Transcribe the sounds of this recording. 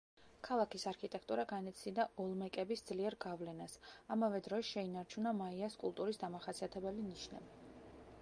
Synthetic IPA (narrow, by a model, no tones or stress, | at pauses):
kʰalˠakʰisaɾkʰit̪ʼɛkʰt̪ʼuɾaɡanɛt̪sʰid̪aʔɔlˠmɛkʼɛbisd̪z̥liɛɾɡavlɛnasamavɛd̪ɾɔsʃɛinaɾt͡ʃʰunamaiaskʼṵlˠt̪ʼuɾisd̪amaχasiat̪ʰɛbɛliniʃnɛ̰bi